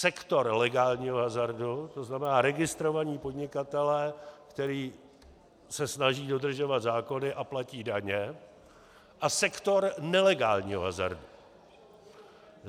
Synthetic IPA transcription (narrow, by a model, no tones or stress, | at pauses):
sɛkt̪o̞ɾlɛɡaːlɲiːɦoɦazaɾdut̪o̞znamɛnaːɾɛɡɪst̪ɾo̞vaɲiːpo̞dɲɪkat̪ɛlɛːkt̪ɛɾiː | sɛsnaʒiːdo̞d̪r̩ʒo̞vat̪zaːko̞nɪʔaplaciːdaɲɛ | ʔasɛkt̪o̞ɾnɛlɛɡaːlɲḭːɦo̰ɦaza̰ɾdu